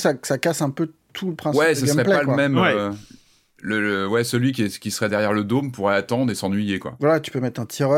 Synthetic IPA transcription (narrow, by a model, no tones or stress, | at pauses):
sasakasɛ̃pøt̪ʰuləpχɛ̃wɛsəɡsmʁɛplɛpalwəamɛmø | lələwɛsəlɥikʲɛkʲisəʁɛd̪ɛʁjɛʁləd̪ompuʁɛat̪ɑ̃d̪ʁesɑ̃nɥijekwa̰vwalat̪y̥pømɛt̪χɛ̃t̪ʰiʁœ